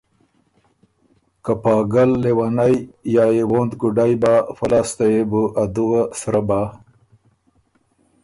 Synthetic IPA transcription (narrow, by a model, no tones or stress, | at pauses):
kapɑːɡalːewanajjaːewond̪kuɖajbafalast̪ajebuʔad̪uɣasɾaba